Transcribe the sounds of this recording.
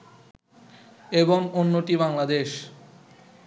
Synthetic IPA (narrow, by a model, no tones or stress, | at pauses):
eboŋonːoʈibaŋlad̪eʃ